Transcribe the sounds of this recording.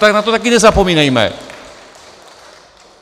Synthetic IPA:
t̪aknat̪ot̪ak̬ines̬apominaima̰ḛ

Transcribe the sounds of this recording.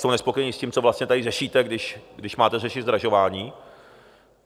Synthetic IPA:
sownɛspokojɛɲiːsciːmt͡sovlast̪ɲɛt̪adɪrɛʃiːt̪ɛɡdɪʃɡdɪʃmaːt̪ɛrɛʃɪzd̪ɾaʒo̞vaːɲiː

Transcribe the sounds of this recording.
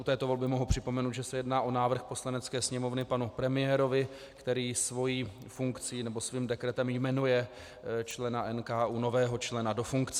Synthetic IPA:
ut̪ɛːt̪ovo̞lbɪmo̞ɦupr̝̥ɪpo̞mɛnuːt̪ʒɛsɛjɛdnaːʔo̞naːvr̩xpo̞slanɛt͡skɛːsɲɛmo̞vnɪpanupɾɛmɪjɛːɾo̞vɪ | kt̪ɛɾiːsvo̞jiː | fuŋkt͡siːnɛbo̞sviːmdɛkɾɛt̪ɛmjmɛnujɛ | t͡ʃlɛnaʔɛnkaːʔuːno̞vɛːɦo̞t͡ʃlɛnado̞fuŋkt͡sɛ

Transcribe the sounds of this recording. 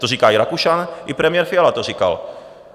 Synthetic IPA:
t̪oriːkaːjɾakuʃanʔɪpɾɛmɪjɛɾfɪalat̪orika̰l

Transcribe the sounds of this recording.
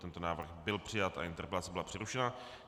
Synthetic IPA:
t̪ɛnt̪onaːvr̩xbɪlpr̥ɪjat̪a̰ʔɪnt̪ɛrɾpɛlat͡sɛbɪlapr̥ɪɾuʃɛna

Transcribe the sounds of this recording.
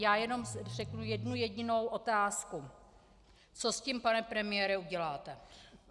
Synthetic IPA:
jaːjɛno̞mrɛknujɛdnujɛɟɪno̞wʔo̞t̪aːsku | t͡so̞scimpanɛpɾɛmɪjɛɾɛuɟɛlaːt̪ɛ

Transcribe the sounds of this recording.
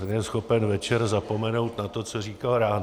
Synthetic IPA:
jɛsxo̞pɛnvɛt͡ʃɛɾzapo̞mɛno̞wt̪nat̪o̞t͡soriːkalɾaːn

